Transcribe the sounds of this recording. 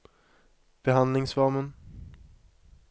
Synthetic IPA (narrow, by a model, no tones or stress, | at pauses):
b̥ɛɦand̪lɪŋsvɑːmən